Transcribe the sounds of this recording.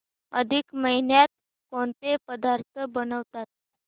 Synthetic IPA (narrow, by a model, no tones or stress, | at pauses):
əd̪ʱikməɦinjat̪̚ | koɳt̪epəd̪aɾt̪ʰəbənəʋt̪at̪̚